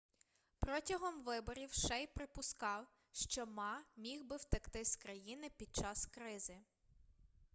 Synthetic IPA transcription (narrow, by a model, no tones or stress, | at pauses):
pɾɔtʲɐɦɔmʋɪbɔɾʲiwʃɛjpɾɪpʊskɑw | ʃt͡ʃɔmɑmʲiwbɪwt̪ɐkt̪ɪskɾɐjinɪpʲid̪̚t͡ʃɑskɾɪzɪ